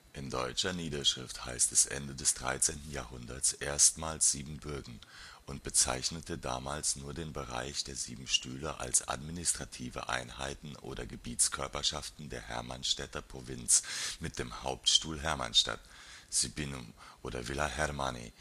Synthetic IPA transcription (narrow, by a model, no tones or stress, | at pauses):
ʔɪndɔʏt͡ʃɐniːdɐʃʁ̥ɪftha̰ɪstɛsʔɛ̰ndədɛsd̥ʁa̰ɪt͡seːntn̩jaːhʊndɐt͡sʔeːɐstmaːlsz̥iːbm̩bʏɐɡŋ̩ | ʔʊnt̚b̥ət͡sa̰ɪçnətəda̰ːmaːlsnuːɐdeːnbəʁa̰ɪçd̥eːɐzḭːbm̩ʃtyːləʔa̰lsʔa̰tminɪstʁ̥atʰiːvə̰ʔa̰ɪnhaɪtn̩ʔo̰ːɾɐɡəbiːtt͡skʰœɐpɐʃaftn̩deːɐhɛ̰ɐma̰nʃtɛtɐpʁ̥ovɪnt͡smɪt̚d̥eːmhaʊptʃtuːlɦɛɐma̰nʃta̰tz̥ybinumʔoːɾɐ̰vɪlahɛɾmanḭ